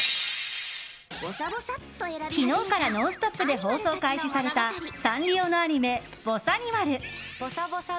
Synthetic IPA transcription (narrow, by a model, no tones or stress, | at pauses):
eçʲino̞ːkaɾano̞ːsɨ̥t̪o̞pːɯ̟d̪e̞ɦo̞ːso̞ːkaiɕisaɾe̞t̪asãŋɾʲo̞ːno̞aɲ̟ime̞ | b̥o̞saɲ̟iβaɾɯ̟b̥os